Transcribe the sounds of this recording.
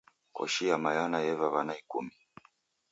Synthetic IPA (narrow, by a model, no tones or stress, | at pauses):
kɔ̰ʃijamajanajɛvaβanaikṵmi